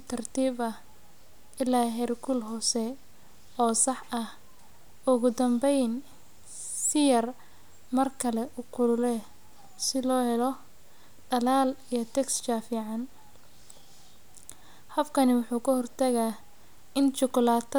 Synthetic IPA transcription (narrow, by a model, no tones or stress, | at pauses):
t̪ʰɐrt̪ʰiːbɐ | ʔɪlːaːɦɛrkʰʊlɦɔːsɛ | ɔːsɑħɐh | ʔʊɣʊd̪ɐmbɛjn | sɪjɐr | mɐrkʰɐlɛʔʊqʊlʊlɛ | sɪlɔːhɛlɔ | ɖɐlaːlijɞt̪ʰɛkst͡ʃaːfiːʕɑn | hɐfkʰɐnɪwʊħuːkʰɐhɔrt̪ʰɐɣa | ɪnt͡ʃʊkʊlaːt̪ʰ